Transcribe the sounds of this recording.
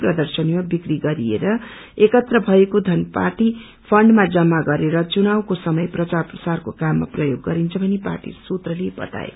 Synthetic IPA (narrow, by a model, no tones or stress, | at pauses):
prʌd̪ʌrsʌnimabikriɡʌɾiḛɾʌ | ekʌt̪rʌbʱʌekod̪ʱʌnpa̰rʈi | pʰʌɳɖmad͡zʌmːaɡʌɾeɾʌt͡sunawkosʌmʌjprʌt͡sarprʌsarkokamːa̰prʌjoɡːʌɾint͡sʰʌbʱʌnepa̰rʈḭsut̪rʌlebʌ̰t̪a̰ḛ